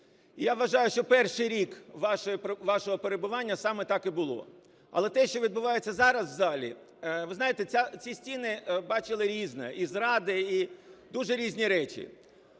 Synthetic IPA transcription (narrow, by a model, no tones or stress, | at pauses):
ijaʋɐʒɑjʊʃt͡ʃɔpɛrʃɪjɾʲikʋɑʃɔjiʋɑʃɔɦɔpeɾebʊʋɑnʲːɐsɑmɛt̪ɑkibʊlˠɔ̰ | ɐ̰lˠɛt̪ɛʃt͡ʃɔʋʲid̪̚bʊʋɑjet͡sʲːɐzɑɾɐsʋzɑlʲḭ | ʋɪznɑjet̪ɛt͡sʲat͡sʲisʲtʲinɪbɑt͡ʃɪlˠɪɾʲiznɛizɾɑd̪ɪid̪uʒɛɾʲizʲnʲiɾɛt͡ʃʲḭ